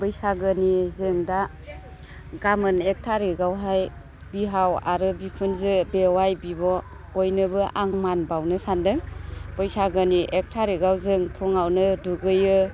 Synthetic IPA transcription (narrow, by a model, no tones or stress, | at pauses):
bɯjsaɡɯnizɯŋda | ɡamɯnek̚tʰaɾiɡawɦaj | biɦawa̰ɾɯbikʰɯnzɯbewajbibɔ | ɔjnɯbɯʔaŋmanbawnɯsandɯŋb̥ɯjsaɡɯniʔek̚tʰaɾiɡawzɯŋtʰɔŋawnɯduɡɯjɯ